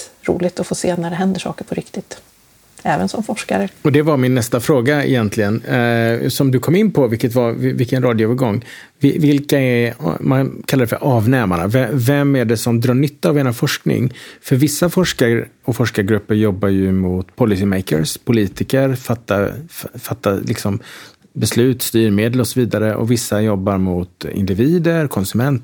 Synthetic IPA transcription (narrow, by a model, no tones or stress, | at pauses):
ɾṵːlɪɡt̪ɔfoːseːnæɖɛɦɛnd̪əʂɑ̰ːkəɾpʰɔɾɪkt̪ɪt̪ | ɛːvə̰nsɔmfɔʂka̰ɾəɔd̪ɛvaɾmɪnːɛst̪afɾoːɡaɪ̰jɛnt̪ʰlɪɡən | sɔmd̪ɵkʰɔmːɪnːpʰɔvɪlkət̪vaɾvɪlkənɾɑːd̪jʊvɑɾɡɔŋː | vɪvɪlkaɛmankʰalːad̪ɛfœ̰ɾʔɑːvnɛːmana̰vɛvɛmːæɖɛsɔmd̪ɾɑːɳʏt̪ːaːveːnafɔʂknɪ̰ŋfœɾvɪsːafɔʂkaɾ | ɔfɔʂkaɾɡɾɵpːəɾjɔbːajɵmʊt̪pʰɔlɪsɪmɛjkə̰ɾspʰʊliːt̪ɪkəɾfat̪ːafat̪ːalɪksɔm | bɛslʉ̟ːt̪st̪yːɾmeːd̪ɛlɔsɔviːd̪aɾəʔɔ̰vɪsːajɔbːaɾmʊt̪ɪ̰nd̪ɪviːd̪əɾkʰɔnsɵmɛnt̪